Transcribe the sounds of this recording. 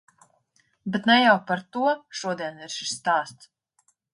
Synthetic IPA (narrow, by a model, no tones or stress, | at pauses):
bɛt̪nɛjawpaɾt̪uɔʃuɔd̪iɛnvɛɾʃi̥ʃst̪aːst̪s